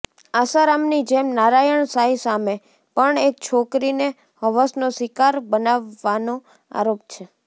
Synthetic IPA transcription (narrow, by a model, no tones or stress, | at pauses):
asaɾamnid͡ʒemnaɾajəɳsaɦisame | pəɳek̚t͡ʃʰokɾine | ɦəʋəsnosikaɾbənaʋːano | a̰ɾop̚t͡ʃʰe